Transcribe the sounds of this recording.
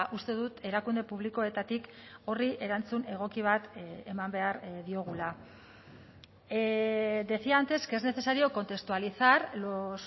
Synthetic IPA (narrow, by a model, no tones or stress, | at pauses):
ʔust̪e̞ðut̪e̞ɾakund̪epuβliko̞e̞t̪at̪iko̞riʔe̞ɾant͡sune̞ɣ̞o̞kiβ̞at̪emambe̞aɾðio̞ɣ̞ula | d̪e̞θiant̪e̞ske̞zne̞se̞saɾio̞ko̞nt̪e̞kst̪ualisaɾlos